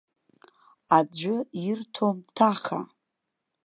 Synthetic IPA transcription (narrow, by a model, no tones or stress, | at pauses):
ad͡ʒʷʊirtʰomtʰaχa̰